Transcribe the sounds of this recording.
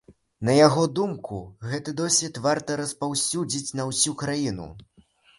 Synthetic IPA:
nɐjaɣɔd̪umkuɣɛt̪ɨd̪ɔsʲvʲit̪vart̪ɐɾɐspawsʲud͡zʲit͡sʲnɐwsʲukɾajinṵ

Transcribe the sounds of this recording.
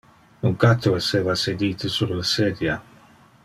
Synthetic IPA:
uŋkat̪ːoeseːvased̪iːt̪esuɾlased̪ja

